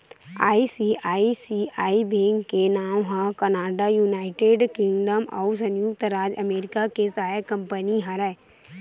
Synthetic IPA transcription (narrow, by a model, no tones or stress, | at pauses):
aːisiʔaːisiaːibẽːŋkkenaːmɦãkɐnaːɖajuːnaːɪʈeɖkɪ̃ŋɡɖəmɔ̰ːs̬ə̃njʊk̚t̪ɾaːd͡ʒə̰meːɾɪkakesaːjakə̃mpəniɦəɾɛ